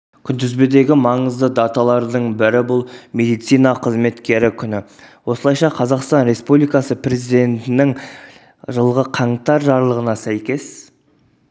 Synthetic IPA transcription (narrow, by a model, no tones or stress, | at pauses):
kʲʰʏnd̪ɪzbed̪e̞ɡʲɪmɑɴəzd̪əd̪ɑt̪ɑlˠɑɾd̪əɴbɪɾɪbʊlˠmʲe̞d̪ijt̪sijnɑqʰəzme̞t̪kʲe̞ɾɪkʲʰʏnɪ | wo̞səlˠɑjʃɑqʰɑzɑqst̪ɑnɾe̞spublijkɑsəpre̞zijd̪e̞nt̪ɪnɪŋ | ʒəlˠʁəqʰɑɴt̪ɑɾʒɑɾlˠəʁənɑsæjkʲe̞s